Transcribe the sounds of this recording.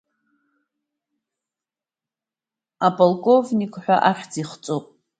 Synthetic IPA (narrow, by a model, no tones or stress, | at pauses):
apʼolkʼovnikʼħʷᶣa̰ʔaχʲd͡ziχt͡sʼopʼ